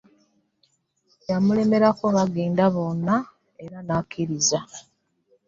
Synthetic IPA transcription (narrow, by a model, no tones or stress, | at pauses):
jamule̞me̞ɾako̞βaɡeːndaβo̞nːa | e̞ɾanakːiɾiza